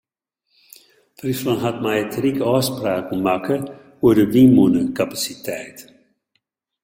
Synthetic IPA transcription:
fɾiflɔnɦat̪majɛt̪ɾikɔspɾaːkumakə | uɾəvimunəkapasit̪ɛːt̪

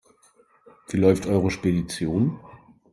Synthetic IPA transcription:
v̥iːlɔʏftʔɔʏʁəʃpedit͡sjoːn

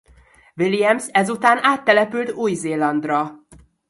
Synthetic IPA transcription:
vilijɛmsɛzut̪aːnaːt̪ːɛlɛpylt̪uːjzeːlɒnd̪rɒ

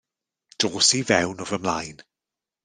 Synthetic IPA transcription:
d̥oːsivɛwnɔvəmlajn

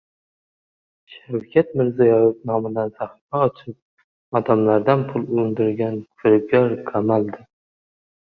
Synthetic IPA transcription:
ʃawkʲʰat̪̚mɪɾzajɒjɪpnɒmɪd̪ansaχɪfaɒt͡ʃʰɪp̚ | ad̪amlaɾd̪anpʰʊlˠʊɪnd̪ɪɾɡʲanfʰɪɾɪb̚ɡʲaɾkʰamald̪ɪ

